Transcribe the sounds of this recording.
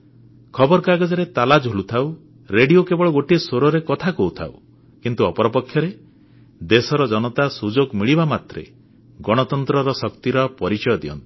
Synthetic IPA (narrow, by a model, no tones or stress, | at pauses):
kʰɔbɔɾkaɡɔd͡ʒɔɾet̪alad͡ʒɦolut̪ʰaw | ɾeɽiokebɔɭɔɡoʈiesoɾɔɾekɔt̪ʰakout̪ʰa̰w | kint̪uɔpɔɾɔpɔkʰːjɔɾe | d̪esɔɾɔd͡ʒɔnɔt̪asud͡ʒoɡmiɭibamat̪ɾḛ | ɡɔɽ̃ɔt̪ɔnt̪ɾɔɾɔsɔkt̪iɾɔpɔɾit͡ʃɔjɔd̪iɔ̰nt̪i̥